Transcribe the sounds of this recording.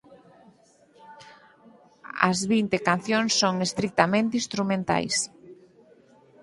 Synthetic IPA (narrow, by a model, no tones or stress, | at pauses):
ɐ̰zβint̪ekanθjõŋsːoŋest̪ɾik̚t̪amẽnt̪eĩst̪ɾumẽnt̪a̰js